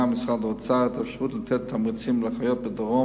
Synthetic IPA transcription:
amɪsχadɔt͡sat̪afʃəʁuːt̪lət̪ʰɛt̪ʰːamit͡simləχajɔt̚bədɔʁɔ

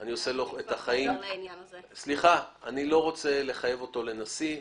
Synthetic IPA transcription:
aniose̞loetaχajim | sliχaanilo̞ʁo̞t͡se̞le̞χaje̞vo̞to̞le̞nasi

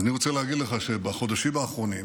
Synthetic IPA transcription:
aniʁot͡selehaɡid̪leχaʃebaχo̞d̪aʃimvaːχʁo̞nim

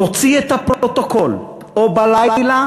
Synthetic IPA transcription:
ot͡siet̪apʁot̪okol | obalala

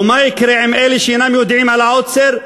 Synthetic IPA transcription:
majɪkɾɪʕɪmʔeliʃɪnamjʊd̪ʕiːmʕalaʕot̪seɾ

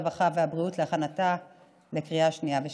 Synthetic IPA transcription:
baχaveabʁiutleaχanata | lekʁiaʃniave

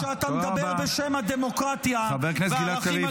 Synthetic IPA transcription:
ʃeat̪amed̪abeʁbeʃemad̪emo̞kʁat̪jaabeʁknesɡilaavi

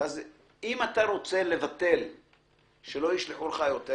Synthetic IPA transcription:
az | imat̪aʁo̞t͡se̞le̞vat̪e̞l | ʃe̞lo̞jiʃleħuleχajo̞t̪e

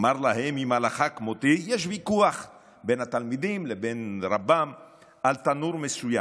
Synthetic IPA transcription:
maɾlahemimhalaχakmot̪ijeʃ̬vikuaχ | benhat̪almid̪imlebenɾabam | ʔalt̪anuɾmesuja

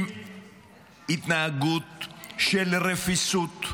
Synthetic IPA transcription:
it̪naaɡut̪̚ʃelɾefisut̪

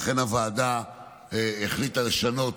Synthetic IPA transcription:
χe̞navaːda | eeχlit̪ale̞ʃano̞t

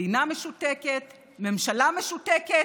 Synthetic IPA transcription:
iname̞ʃuteket | me̞mʃalame̞ʃuteke

